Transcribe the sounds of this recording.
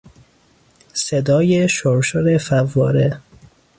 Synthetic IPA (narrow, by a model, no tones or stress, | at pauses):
sed̪ɒːjeʃoɾʃoɾefævːɒːɾe